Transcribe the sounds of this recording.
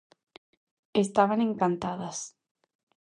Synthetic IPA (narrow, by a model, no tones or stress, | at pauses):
est̪aβanẽŋkant̪aðɐs